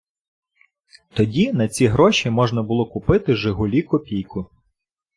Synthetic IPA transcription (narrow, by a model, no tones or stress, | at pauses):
t̪ɔdʲinɐt͡sʲiɦɾɔʃʲimɔʒnɐbʊlˠɔkʊpɪt̪ɪʒɪɦʊlʲikɔpʲijkʊ